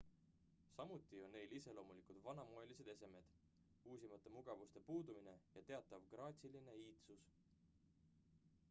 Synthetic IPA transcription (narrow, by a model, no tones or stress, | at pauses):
sɑmut̪ˑːio̞nːe̞jlise̞lo̞ːmulikud̪̥vɑnɑmoe̞lise̞d̪e̞se̞me̞d̪̥ | uːs̬ʲimɑt̪ːˑe̞muɡ̥ɑvust̪e̞puːd̪umine̞jɑt̪e̞ɑt̪ːˑɑvɡ̥rɑːt̪ʲsiline̞iːt̪sus